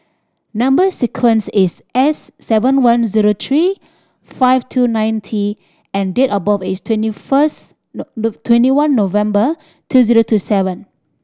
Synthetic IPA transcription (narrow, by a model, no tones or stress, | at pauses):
nãmbəsikʰwɛ̃nsisʔɛsːɛvə̃nwãnziɹot̪ʰɹi | faɪftʰunãj̃ntʰi | ɛ̃ndetəbɔfistʰwɛ̃ntifəs | tʰwɛ̃ntiwãnːovɛ̃mbə | tʰuziɹotʰusɛvə̃n